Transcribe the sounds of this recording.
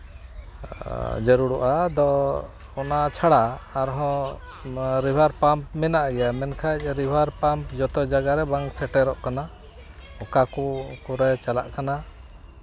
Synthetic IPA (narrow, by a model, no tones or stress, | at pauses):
d͡ʒɔɾuɽɔʔad̪ɔ | ɔnat͡ʃʰaɽaːɾɦɔ̃ | ɾibʱaɾpamp̚mɛnaʔaɡɛjamɛnkʰac̚ˀɾibʱaɾpampd͡ʒɔt̪ɔd͡ʒaɡaɾɛbaŋksɛʈɛɾɔʔkana | ɔkakukuɾɛt͡ʃala̰ʔkana